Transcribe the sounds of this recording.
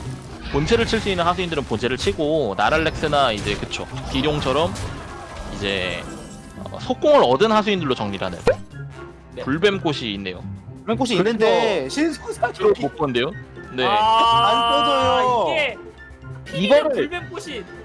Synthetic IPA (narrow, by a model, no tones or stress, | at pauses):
pont͡ɕʰeɾɯɭt͡ɕʰiɭs͈uinːɯnhasʰuindɯɾɯnpont͡ɕʰe̞ɾɯɭt͡ɕʰiɡonaɾaɭːek̚s͈ɯnaid͡ʑe̞kɯt͡ɕʰo̰piɾjoŋt͡ɕʰʌɾʌm | id͡ʑe̞̰ | ʌ̰sʰok͈oŋɯɾʌdɯnhasʰuindɯɭːot͡ɕʌŋɲiɾɯɦanej | puɭbemk͈oɕʰiːnːe̞jo̰bemk͈oɕ̬ʰinːɯndeɕʰinsʰospop͈ʰʌnde̞jone̞ankoooiɡe | iɡʌnɯɭbemkoɕʰi